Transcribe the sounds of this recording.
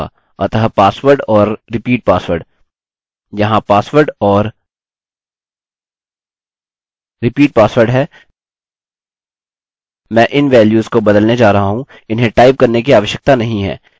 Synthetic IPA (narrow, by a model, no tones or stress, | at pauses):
ɐ̰t̪əɦpaːsʋəɾɖɔːɾːɪpiːʈ̚paːsʋəɾɖ | jɐɦãpaːsʋəɾɖɔːɾ | ɾɪpiːʈ̚paːsʋəɾɖɦɛː | mɛ̃ːʔɪnʋɛːljuːzkobɐd̪əlned͡ʒaːɾɐɦaɦũ | ɪnɦẽʈaːɪp̚kɐɾnekiaːʋəʃjək̚t̪anɐɦĩɦɛ̰ː